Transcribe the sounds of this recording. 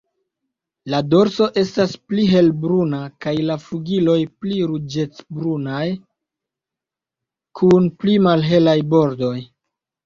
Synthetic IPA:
lado̞ɾso̞ʔe̞staspliɦe̞lbɾunakajlafuɡilo̞jpliɾud͡ʒe̞t͡sbɾunaj | kʰunplimalɦe̞lajbo̞ɾdo̞j

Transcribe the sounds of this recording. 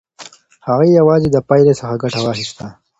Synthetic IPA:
haɣejawɑːzid̪əpɑjlesəxaɡaʈawaxɪst̪a

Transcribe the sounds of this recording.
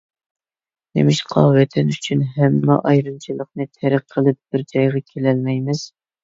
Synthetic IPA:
nḛmɪʃqʰɑ̰wɛt̪ʰɪnyt͡ʃʰynɦɛmːɑʔɑjɾɨnt͡ʃʰilˠəχnɨt̪ʰæɾɨqʰːəlˠɨp̚b̥ɪɾd͡ʒɑjʁɑkʲʰelælmɛjmɪz̥

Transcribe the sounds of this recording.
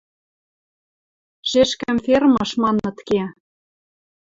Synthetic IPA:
ʒ̥eʃkæmfermɤ̆ʃmɑnɤ̆t̪ke

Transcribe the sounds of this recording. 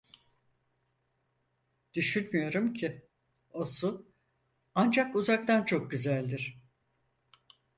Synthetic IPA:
d̪̥yʃynmyjo̞ɾumcʰi | osʊ | and͡ʒakuzak̚t̪ant͡ʃʰo̞k̚ɟyzælʲd̪iɾ̥

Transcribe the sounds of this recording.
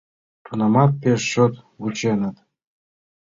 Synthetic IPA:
t̪unɑmɑt̪̚pʲeʃɕot̪ | ɡut͡ɕenə̆t̪

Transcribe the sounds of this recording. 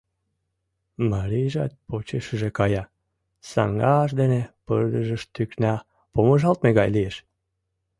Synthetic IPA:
mɑɾiʒɑ̰t̪̚pot͡ɕeʃəʒekɑjɑ | sɑ̰ŋɡɑʃ̬d̪enepərd̪əʒəʃt̪yknæ | poməʒɑlt̪̚meɣɑjlieʃ

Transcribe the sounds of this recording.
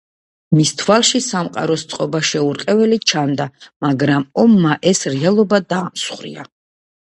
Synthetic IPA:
mist̪ʰwalˠʃisamqʼa̰ɾɔst̪sʼqʼɔbaʃɛuɾqʼɛvɛlit͡ʃʰand̪amaɡɾamɔmːaʔɛsɾɛalˠɔbad̪aːmsχɾḭa̰

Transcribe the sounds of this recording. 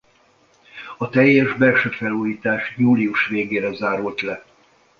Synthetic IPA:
ɒt̪ɛjːɛʒbɛrʃøfɛluːjiːt̪aːʃjuːliuʃʋeːɡeːɾɛzaːɾult̪lɛ

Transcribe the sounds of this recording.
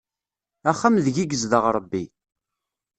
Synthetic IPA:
æχːamðəʝiɡəzðəʁɾˤəbːi

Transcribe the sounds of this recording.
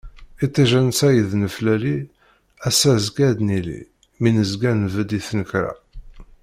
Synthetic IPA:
it̪ˤːiʒænsæjəðnəflæli | æsæzɡæd̪nilḭ | minəzɡænvəd̪iθnəkɾæ̰

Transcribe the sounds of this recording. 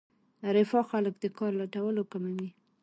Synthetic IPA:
ɾɪfɑxaləkd̪əkɑɾlaʈawəlokamawi

